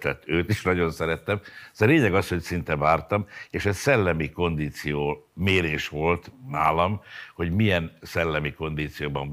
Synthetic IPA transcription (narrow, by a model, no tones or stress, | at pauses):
lɛ̰t̪ːøːt̪iʃnɒɟo̞nsɛɾɛt̪ːɛmzɒleːɲɛɡɒsho̞csint̪ɛvaːrt̪ɒmeːʃɛsɛlːɛmiko̞nd̪iːt̪sijoːmeːɾeːʃʋo̞lt̪naːlɒmho̞ɟmijɛnsɛlːɛmiko̞nd̪iːt̪sijoːbɒɱ